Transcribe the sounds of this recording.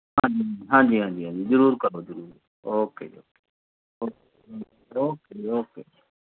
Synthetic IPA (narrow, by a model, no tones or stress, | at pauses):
ɦãːd͡ʒĩːiɦãːd͡ʒiːɦãːd͡ʒiːɦãːd͡ʒiːzʊɾuːɾkəɾoːzəɾuːɾ | oːkḛːo̰ːke | oːke | oːkeoːkeːoːkeː